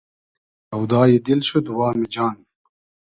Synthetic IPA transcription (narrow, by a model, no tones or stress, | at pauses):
ɐwd̪aːjid̪ilɕud̪uwaːmid͡ʑaːn